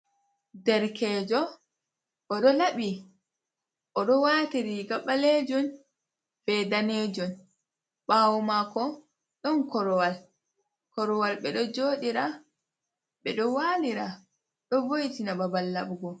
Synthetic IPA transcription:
dɛɾkɛːd͡ʒɔ | ʔɔɗɔlaɓi | ʔɔɗɔwaːtiɾiɡaɓaled͡ʒɔn | fɛdaned͡ʒɔn | ɓawɔmakɔ | ɗɔnkɔɾɔwal | kɔɾɔwalɓɛɗɔd͡ʒoːɗiɾa | ɓɛɗɔwaːliɾa | ɗɔbojtinababalːabɡɔ

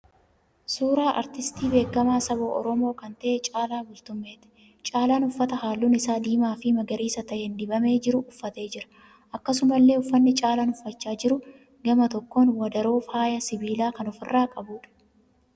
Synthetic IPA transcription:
suːɾaːʔɐ̰ɾt̪ɪst̪iːbe̞ːkːɐmaːsɐboːʔɔ̰ɾɔmo̞ːkɐnt̪ɐʔɛt͡ʃʼaːlaːbʊlt̪ʊmːeːt̪ɪ̥ | t͡ʃʼaːlaːnʊfːɐt̪ɐhaːlːuːnɪsaːd̪iːmaːfɪmɐɡɐɾiːsɐt̪ɐʔend̪ɪbɐme̞ːd͡ʒɪɾʊʔʊfːɐt̪e̞ːd͡ʒɪɾɐ̥ | ʔɐkːɐsʊmɐlːe̞ːʊfːɐnːɪt͡ʃʼaːlaːnʊfːɐt͡ʃːaːd͡ʒɪɾʊ | ɡɐmɐt̪ɔkːoːnwɐd̪ɐɾo̞ːfaːjɐsɪbiːlaːkɐnɔfɪrːaːkʼɐbuːᶑɐ̥

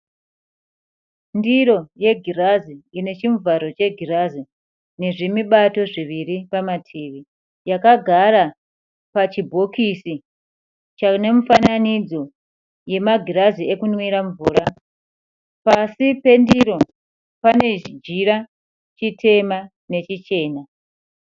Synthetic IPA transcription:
ndiɾo̞je̞ɡʱiraziine̞t͡ʃiɱvaɾo̞t͡ʃe̞ɡʱirazi | ne̞ʐimiɓato̞ʐiʋiripamatʰiːʋi | jakaɡʱaɾa | pat͡ʃibʱo̞kisi | t͡ʃane̞mufananid͡zo̞ | je̞maɡʱirazie̞kunwiɾaɱvuːɾa | pasipe̞ndiɾo̞ | pane̞t͡ʃid͡ʒiɾa | t͡ʃitʰe̞ma | ne̞t͡ʃit͡ʃe̞ːna

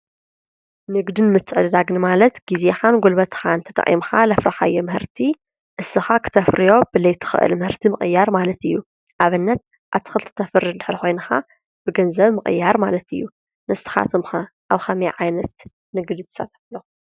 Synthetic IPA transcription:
nɨɡd̪ɨnmɨt̪ʰːɨʕɨ̰d̪d̪aɡnɨmalɐt̪ɡizexanɡolbɐt̪xant̪ʰɐt̪ʼɐ̰χʼḭmxalɐfɾaħajːomɨhɨɾt̪ʰi | ʔɨsːɨxakʰɨ̥t̪ʰɐfɾijo̞b̥ɨlɐjt̪ʰɨ̥xɨ̰ʔɨ̰lmɨhɨɾt̪ʰimɨχʼɨjːaɾmalɐt̪ɨjːu | ʔaβɨnːɐt̪̚ | ʔaβt̪ʰɨ̥xɨlt̪ʰɨ̥t̪ʰɐfɨrːɨnd̪ɨ̥ħɾixo̞jnɐxa | b̥ɨɡɐnzɐβmɨχʼɨ̰jːaɾmalɐt̪ɨjːu | nɨst̪ɨ̥xa̰t̪ʰɨmxɐ | ʔaβxɐmiʕajnɐt̪ | nɨɡd̪ɨt̪ʰɨ̥sa̰t̪ʰɐ̥flːo

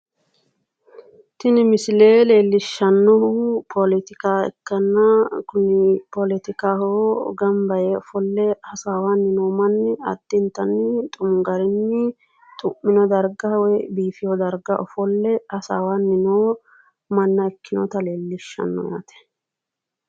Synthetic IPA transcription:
t̪ɪnɪmɪsɪleːleːlːɪʃːɐnːɔhupʰɔlɪt̪ɪkaːɛ̰kːɐnːɐkʊnɪpɔlɪt̪ɪkaːhoɡɐmbɐjeɔfɔlːɛhɐsaːwanːɪnoːmɐnːɪɐ̰d̪̥ːɪnt̪ɐnːɪt̪ʼʊmɡɐɾɪnːɪ | t̪ʼʊmːɪnɔd̪ɐɾɡawɔjbiːfɪjɔd̪ɐɾɡɐʔɔfɔlːɛhɐsa̰ːwanːɪnoː | mɐnːɐɛkːɪnɔ̰t̪ɐle̞ːlːɪʃːɐ̰nːɔ̰ja̰ːt̪ɛ̥

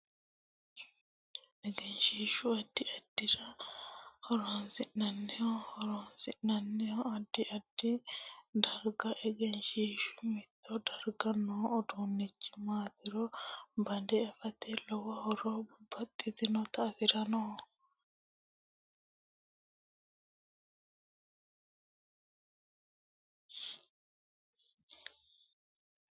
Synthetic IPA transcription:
ʔɛɡɛnʃiːʃʊɐd̪ːɪʔɐd̪̥ːɪɾɐ | hɔɾɔnsɪʔnɐnːɛjɔhɔɾɔnsɪʔnɐnːɛjɔɐd̪ːɪʔɐd̪ːɪd̪ɐɾɡɐʔɛɡɛnʃiːʃʊ̥mɪt̪ːɔd̪ɐɾɡɐnːɔɔd̪uːnːɪt͡ʃːɪ̥maːt̪ɪɾɔbɐnd̪ɛɐfɐt̪elɔwɐhɔɾɔbɐt̪ʼːɪt̪ɪnɔt̪ɐfɪɾɐnɔ

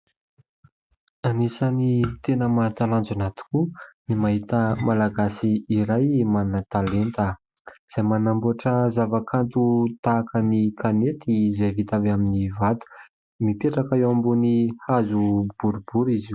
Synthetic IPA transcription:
anisanit̪enəmat̪aland͡zanat̪u̥kunimaɦit̪əmalaɡasiːɾajmanat̪alent̪ə | z̥ajmanambuaʈ͡ʂəzavakʰant̪ut̪aːkənikʰanet̪izevit̪aveaminivat̪u̥ | mipeʈ͡ʂakaewambunihazub̥uɾubuɾizi

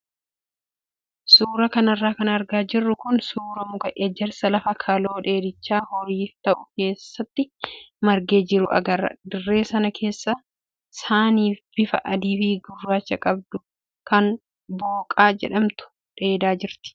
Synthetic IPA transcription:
suːɾɐkɐnɐrːaːkɐnɐɾɡaːd͡ʒɪrːʊkʊnsuːɾɐmʊkɐʔɛd͡ʒːɛɾsɐlɐfɐkʰɐlo̞ːᶑe̞ːd̪ɪt͡ʃːaːhɔɾiːt̪ɐʔʊke̞ːsːɐt̪ːɪmɐɾɡe̞ːd͡ʒɪɾʊʔɐ̰ɡɐrːɐ̰d̪ɪrːe̞ːsɐnɐkʰe̞ːsːɐ | saːniːfb̥ɪfɐʔɐd̪iːfiɡʊrːaːt͡ʃːɐkʼɐb̚d̪ʊ | kɐn | boːkʼaːd͡ʒɛ̰ᶑɐmt̪ʊ̥ | ᶑe̞ːd̪aːd͡ʒɪɾt̪ɪ̥

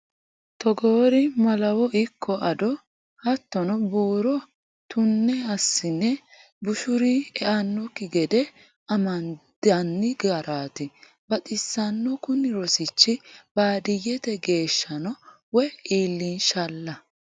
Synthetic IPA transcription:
t̪ɔɡoːɾɪmɐlɐwɔʔɪkʰːɔʔɐd̪ɔ | hɐt̪ːɔnɔbuːɾɔ | t̪ʊnːɛɐsːɪnːɛ | bʊʃʊɾiɛʔɐnːɔkɪɡɛd̪ɛ | ɐmɐnd̪̥ɐnːɪɡaɾaːt̪ɪ | bɐt̪ʼɪsːɐnːɔkʊnɪɾɔsɪt͡ʃːɪbaːd̪ɪjɛt̪ɛɡe̞ːʃːɐnɔ | wɛiːlːinʃɐlːɐ

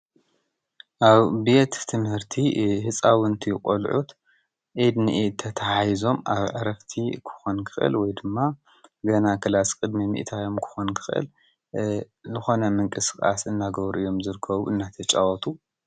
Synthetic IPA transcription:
ʔaβbet̪ʰːɨmhɨɾt̪ʰihɨt͡sʼawɨnt̪ʰikʼolʕut̪ | ʔid̪niʔt̪ʰːɐt̪ʰɐhajzo̞maβʕɨɾɐft̪ʰikʰɨ̥xonkʰɨ̥xɨ̰lwɔjd̪ɨmːa | ɡɐnakʰɐlaskʼɨd̪mimḭʔt̪ʰajo̞mkʰɨ̥xonkʰɨ̥xʔɨ̰l | zɨxo̞nɐmɨŋkʼɨskʼa̰sɨnːaɡɐβɾʔɨjːo̞mzɨɾɨkʰːɐβuɨnːat̪ʰɐt͡ʃʼawɔt̪ʰʼu

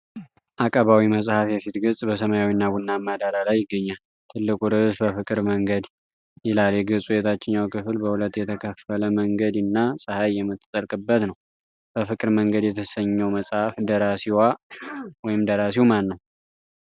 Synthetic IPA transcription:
ʔakʼəβawiməsʼhafjɛfit̪ɡɨsʼbəsəmajawinːabunːamːad̪aɾalajːɪɡːəɲːal | t̪ʰɨlːɨkʼuɾɨsbəfɨkʼɨɾməŋɡəd̪ | jɪlaljɛɡɨsʼujɛt̪ʰat͡ʃːɪnːawkʰɨfɨlbəhulət̪ːjɛt̪ʰəkʰəfələməŋɡəd̪ɨnːasʼɨhajːɛmːɨt̪ʼːt̪ʼːəɾkʼɨbːət̪nəw | b̥əfɨkʼɨɾməŋɡəd̪jɛt̪ʰəsəɲːɛwməsʼhafd̪əɾasiwa | wɔjɪmd̪əɾas̬iwumanːəw

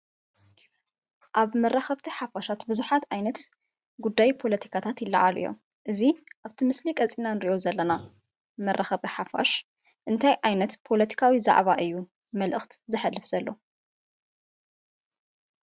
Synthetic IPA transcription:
ʔaβmɐrːaxɐβt̪ʰiħafaʃat̪bɨzuħat̪ʕajnɐt̪ | ɡud̪ːajpʰo̞lɐt̪ʰi̥kʰat̪ʰat̪jɪlːaʕa̰lḭjo̰m | ʔɨziʔaβt̪ʰimɨslikʼɐt͡sʼinanɨɾiʔo̞zɐlːɐna | mɐrʔaxɐβɨħafa̰ʃ | ʔɨnt̪ʰajʕajnɐt̪pʰo̞lɐt̪ʰi̥kʰawiza̰ʕβaʔɨjːu | mɐlʔɨxt̪zɨħalːɨfz̥ɐlːo̞

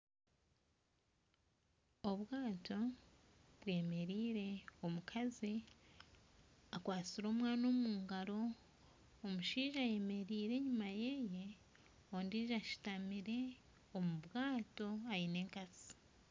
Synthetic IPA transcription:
o̞βwaːtʰo̞ | βwe̞ːme̞ɾiːɾe̞omukʰazi | akwaːt͡siɾo̞ːmwaːno̞ːmuːŋɡaɾo̞ː | muʃiːʒaje̞me̞ɾiːɾe̞ːɲumaje̞je̞ | ondiːʒaʃi̥tamiɾe̞ | omuβwaːto̞aine̞ːŋkat͡si̥

